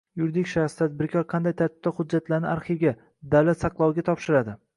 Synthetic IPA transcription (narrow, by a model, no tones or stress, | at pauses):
jʊɾd̪ɪkʲʃaχst̪ʰad̪̚bɪɾkʲʰɒɾqʰɑnd̪ajt̪ʰaɾt̪ʰɪ̥b̥̚t̪aχʊd͡ʒːat̪laɾnɪaɾχiɡʲa | d̪awlat̪sɑqlˠɒwɡʲat̪ʰɒpʃɪɾad̪ɪ